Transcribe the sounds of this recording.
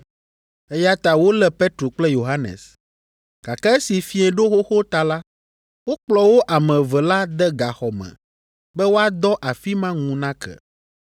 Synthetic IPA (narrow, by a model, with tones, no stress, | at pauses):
ɛ˦ja˦t̪a˨wo˦lɛ˦pe˦t̪ɾo˨k͡plɛ˦jo˨ɦa˦nɛ̰̃˨s | ɡ̥a̰˨kɛ˦ɛ˦si˨fi˦ɛ̃˨ɖo˦xo˦xo˦t̪a˨la˦ | wo˦k͡plɔ˨wo˦ʔa˨mɛ̃˨vɛ˨la˦d̪ɛ˦ɡa˨xɔ˨mɛ̰̃˨ | bɛ˦wo˦a˨d̪ɔ˦ʔa˨fi˦mã˦ŋũ˨nã˦kɛ̰˨